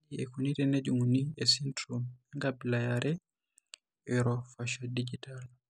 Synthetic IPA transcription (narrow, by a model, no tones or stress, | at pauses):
iɛkunitɛnɛd͡ʒuŋuniɛsintɾumɛŋɡabilajaɾɛ | ɛɾɔfaʃadid͡ʒitʰal